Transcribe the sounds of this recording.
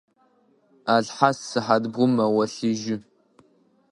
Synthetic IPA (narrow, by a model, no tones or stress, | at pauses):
aɮħasːɨħadbʁʷʊmɐwɐɬɨʒɪ